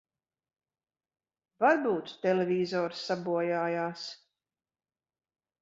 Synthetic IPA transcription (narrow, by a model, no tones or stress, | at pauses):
vaɾbuːt̪ːɛlevʲiːzɔːɾsːabuɔjaːjaːs